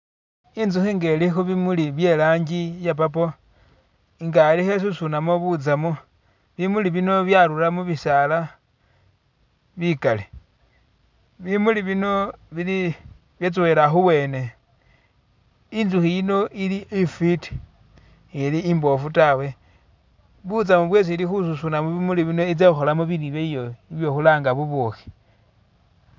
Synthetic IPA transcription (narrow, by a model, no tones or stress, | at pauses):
inzuxiːŋɡelixuβimuliβje̞laːɲɟijap̬ap̬o̞ | ŋɡalixes̬usunamoβut͡samo | βimuliβino̞βjaɾuɾamuβisala | βikali | βimuliβino̞βili | βjet͡suwe̞ɾaxuwe̞ːne̞ | inzuxijino̞ʔiliifiti̥ | iliːmbo̞futawe̞ | βut͡samuβwe̞s̬ilixususunamuβimuliβino̞it͡seuxo̞lamuβiɾiβeijo̞iβjo̞xulaːŋɡaβuβwoxi̥